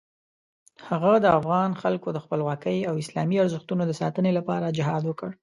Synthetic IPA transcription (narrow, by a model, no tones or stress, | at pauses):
haɣad̪əafɣɑnxalkod̪əxpəlwɑkəjawɪslɑmiaɾzəxt̪unod̪əsɑ̰t̪ənelapɑɾad͡ʒɪɦɑd̪wəkəɽ